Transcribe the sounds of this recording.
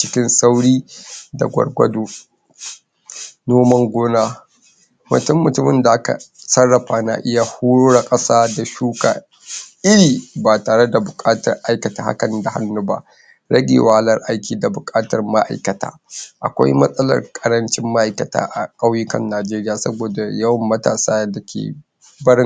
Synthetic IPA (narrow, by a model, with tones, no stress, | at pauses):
t͡ʃɪ˦kʲɪ˦nsa˦wɽiː˦da̰˨ɡʷɐ̰˨rɡʷɐ̰˦doː˨ | noː˦mɐ˦ŋɡʷoː˦naː˦ | mʊ̰˨tʊ˦mːʊ˨tʊ˦mɪ˨nda˨ʔa˦ka̰˨sɐ˦rːɐ˨ɸa˨˦na̰˨ʔɪ˦ja˦huː˦ɽoː˦ɽa˨kʼɐ˦saː˦da˨ʃuː˦ka̰ː˨ | ʔɪ˦ɽiː˨baː˨taː˨ɽe˦da˨bʊ˨kʼaː˦tɐ̰˨rʔa˦jkɐ˨taː˨ha̰˦kɐ˨nda˨ha̰˦nːʊ˦ba̰˦ʔ | ɽɐ˦ɡʲḛ˨wa˦ha˦lɐ˦rʔa˦jkʲiː˨da˨bʊ˨kʼaː˦tɐ˨rma˦ʔa̰˨jkɐ˨ta̰ː˦ʔa̰˨kʷa̰˦jmɐ˦sʼɐ˦lɐ̰˨rkʼɐ˨ɾɐ˦nt͡ʃɪ˦mːa˦ʔa˨jkɐ˨ta̰ː˦ʔa˨kʼa˦wjɪ˦kɐ̰˨nːaː˨d͡ʒeː˦ɾɪ˦jaː˨sɐ˦boː˨da˨jɐ˦wɐ˨mːɐ˦ta̰ː˨saː˦da˨kʲḛː˨ | bɐ˦ɽɪ˦